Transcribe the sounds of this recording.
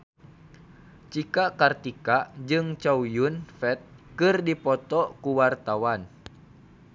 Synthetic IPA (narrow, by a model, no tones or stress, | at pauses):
t͡ʃikakart̪ikad͡ʒɨŋt͡ʃaujunfɛt̪̚kɨrdipɔt̪ɔkuwart̪awan